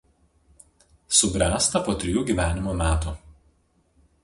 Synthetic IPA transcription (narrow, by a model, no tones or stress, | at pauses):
sʊbʲɾʲæːst̪ɐpoːt̪ʲɾʲɪjuːɡʲiːˑʋʲæːnʲɪmomʲæːt̪u